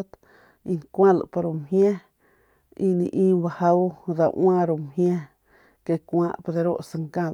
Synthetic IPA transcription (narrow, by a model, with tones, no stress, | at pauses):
t̪ | i˧ŋkʷã˦la̰˨pa˧ɾo˧mhjẽ˦ | i˧nĩ˧˨ʔĩː˦ba˧ha˦wd̪a˧˨ʔwã˦ɾu˧mhjẽ˦ | ke˧kʷã̰ː˧ʔpo˧d̪e˧ɾo˦ʔsa˧ŋkã˧l